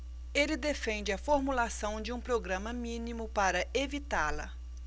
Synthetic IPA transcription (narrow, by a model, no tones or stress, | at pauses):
elɪd̪efẽnd͡ʒɪɐfoɾmulasɐ̃w̃d͡ʒɪũpɾoɡɾɐ̃mɐmĩnimʊpaɾɐevit̪aɾlɐ